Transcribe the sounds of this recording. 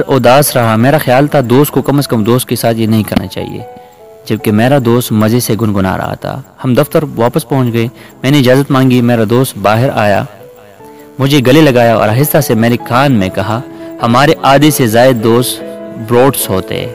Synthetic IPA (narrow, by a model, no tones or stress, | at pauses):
ɾɔːd̪aːsɾɐɦameːɾaxjaːlt̪ʰad̪oːst̪̚kokɐməskɐmd̪oːst̪̚kesaːt̪ʰjenɐɦĩkɐɾna̰t͡ʃa̰ːɦḭḛ | d͡ʒɐb̚kemeːɾad̪oːst̪mɐzeseɡʊnɡʊna̰ɾɐ̰ɦa̰t̪ʰa̰hɐmd̪ɐft̪əɾʋaːpəspɐɦʊ̃t͡ʃɡɐe | mɛ̃ːneɪd͡ʒaːzət̪mãːŋɡimeːɾad̪oːst̪baːɦɪɾa̰ːja̰ | mʊd͡ʒʱeɡɐlelɐɡaːjaɔ̰ːɾaɦɪsːasemɛ̃ːɾekaːnmẽkɐɦahɐmaːɾeʔaːd̪esezaːɪd̪d̪oːst̪bɾoːɖsɦoːt̪ḛɛ̰ː